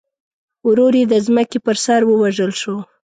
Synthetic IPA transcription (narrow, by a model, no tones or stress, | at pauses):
wɾoɾjed̪əzməkepəɾsaɾwəwaʒəlʃo